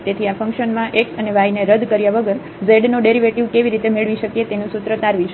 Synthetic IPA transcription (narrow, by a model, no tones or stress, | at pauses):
t̪et̪ʰiafə̃ŋkʃənmãʔekəneʋaineɾəd̪kəɾjaʋəɡəɾ | zeɖnoɖeɾiʋeʈiʋkeʋiɾit̪emeɭʋiʃəkjet̪enũsut̪ɾət̪aɾʋit͡ʃʰ